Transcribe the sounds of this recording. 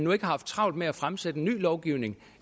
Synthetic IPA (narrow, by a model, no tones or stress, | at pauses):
nue̝ɡ̥əhɑ̈fd̥̚t͡sʰʁɑ̈ʊ̰l̥meæfʁamsed̥əny̰ːlɒʊɡ̥iʊne̝ŋ